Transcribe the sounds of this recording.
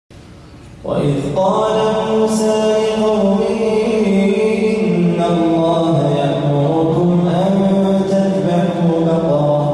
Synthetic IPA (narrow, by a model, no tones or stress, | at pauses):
wa̰ʔɪðqɑːlat̪muːsaːʔɪqɑwmɪhɪ | ʔɪnːalːɑːɦajakbʊɾʊkʊmʔanjjʊ | t̪at̪baʕʊhʊkɑt̪ | ɾˤ